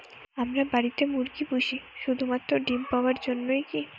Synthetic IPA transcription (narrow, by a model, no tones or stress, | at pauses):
amɾabaɾit̪emuɾɡibuʃiʃud̪ʱumat̪ːɾoɖimpaoaɾd͡ʑonːojki